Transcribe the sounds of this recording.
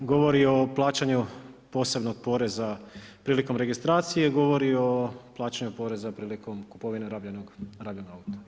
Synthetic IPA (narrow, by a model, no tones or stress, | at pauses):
ɡo̞ʋo̞ɾio̞plˠaːt͡ɕaɲupo̞ːsebno̞ɡ̥̚po̞ːɾe̞zapɾiːliko̞mɾe̞ɡist̪ɾaːt̪sije̞ɡo̞ʋo̞ɾioplˠaːt͡ɕaɲupo̞ɾe̞zapɾiːliko̞mkupo̞ʋineɾabʎanoɡɾaːbʎanoaut̪o̥